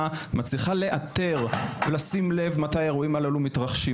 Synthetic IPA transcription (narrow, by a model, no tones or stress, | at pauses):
mat͡sliχale̞ʔat̪e̞ʁvelasimle̞vmat̪ajeʁoimalalumitʁaχʃi